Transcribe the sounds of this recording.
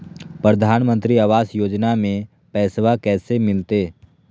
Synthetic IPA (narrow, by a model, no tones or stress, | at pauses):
pɾəd̪ʱaːnmə̃nt̪ɾiaːʋaːsjoːd͡ʒnamẽ | pɛːsʋakɛːsemɪlt̪eː